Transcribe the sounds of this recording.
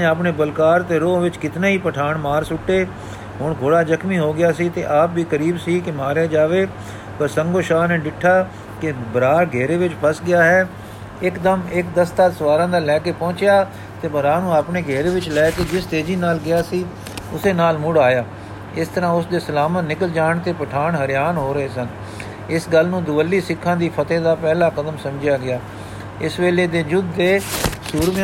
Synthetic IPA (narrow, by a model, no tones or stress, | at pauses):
eːapneːbəlkaːɾt̪eːɾoːʋɪt͡ʃkɪt̪naːɦiːpəʈʰaːɳmaːɾsʊʈːeː | ɦʊɳɡʱoːɽaːd͡ʒəkʰmiːɦoːɡɪjaːsiːt̪ḛːʔaːpʋiːkəɾiːbsiːkɪmaːɾjaːd͡ʒaːʋeː | pəɾsəŋɡoːʃaːneːɖɪʈʰːaː | kɪbəɾaːɾɡʱɛːɾeːʋɪt͡ʃpʰəsɡɪjaːɦɛː | ɪkd̪əmɪkd̪əst̪aːsəʋaːɾãːd̪aːlɛːkeːpɔ̃ːt͡ʃɪjaː | t̪eːbəɾaːnũːaːpɳeːɡʱeːɾeːʋɪt͡ʃlɛːkeːd͡ʒɪst̪eːd͡ʒiːnaːlɡɪaːsiː | ʊseːnaːlmʊɽaːjaː | ɪst̪əɾãːʊsd̪eːsəlaːmət̪nɪkəld͡ʒaːɳt̪eːpəʈʰaːɳɦəɾɪjaːnɦoːɾəeːsən | ɪsɡəlnũːd̪ʊʋəlːiːsɪkʰːãːd̪iːpʰət̪ẽːd̪aːpɛːlaːkəd̪əmsəmd͡ʒjaːɡɪjaː | ɪsʋeːleːd̪eːd͡ʒʊd̪ːeːsuːɾʋ